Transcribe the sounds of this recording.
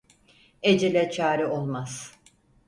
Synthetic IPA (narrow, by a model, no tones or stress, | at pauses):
ed͡ʒelʲɛt͡ʃʰaːɾɯo̞lˠmaz̥